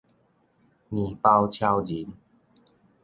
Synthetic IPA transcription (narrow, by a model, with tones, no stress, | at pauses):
nĩ˨˩pa˧wt͡ɕʰja˧wd͡ʑi˨˦n